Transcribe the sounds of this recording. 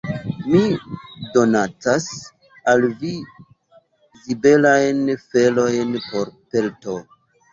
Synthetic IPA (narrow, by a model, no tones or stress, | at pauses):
mido̞nat͡sas | alvi | zibe̞lajnfe̞lo̞jnpo̞ɾpe̞lto̞